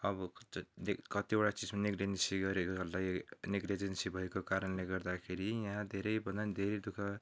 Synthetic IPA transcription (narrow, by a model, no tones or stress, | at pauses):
ʌbʌ | kʌt̪ioʈat͡sid͡zmaniɡɾensiɡʌɾekoʌllajniɡɾed͡zʌnsibʱʌekokaɾʌnleɡʌrd̪akʰeɾijãd̪ʱeɾʌjbʱʌnad̪ʱeɾʌd̪ukʰa